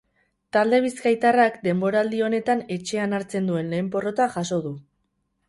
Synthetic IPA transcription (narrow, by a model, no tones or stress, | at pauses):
t̪ald̪e̞β̞iskajt̪arakd̪e̞mbo̞ɾald̪io̞ne̞t̪ane̞t͡ʃe̞anaɾt͡se̞nd̪ue̞nle̞ːmpo̞ro̞t̪aʝaso̞ð̞u